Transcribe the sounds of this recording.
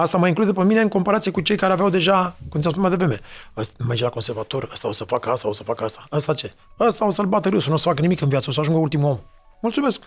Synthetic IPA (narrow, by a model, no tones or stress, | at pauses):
ast̪aməiŋklud̪pemine̞ɨŋko̞mpaɾat̪ijekut͡ʃe̞jkaɾeaveawd̪e̞ʒakumt̪sʲas̬punmead̪evɾeme̞əsmerd͡ʒelakonse̞rvat̪o̞rəst̪ao̞səfakəast̪ao̞sə̥fakəast̪aəst̪at͡ʃe̞ | əst̪ao̞səlbat̪əɾɨwsənuosə̥fakənimikɨnvjat̪səo̞s̬əaʒuŋɡəult̪imuo̞m | mult̪sume̞sk